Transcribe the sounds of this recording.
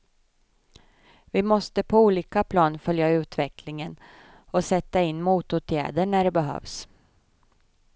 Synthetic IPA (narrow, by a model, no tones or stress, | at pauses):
vɪmɔst̪əpʰɔuːliːkapʰlɑːnfœljaʉ̟ːt̪vɛklɪŋən | ɔsɛt̪ːaɪnːmuːt̪ʊt̪ʰjæ̰ːd̪əɳæɖɛbɛɦœ̰ːvs